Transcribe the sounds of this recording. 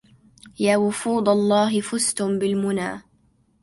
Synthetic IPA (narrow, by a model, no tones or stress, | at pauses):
jaːwʊfuːd̪ˤɑlˤːɑːɦɪfʊst̪ʊmbɪlmʊnaː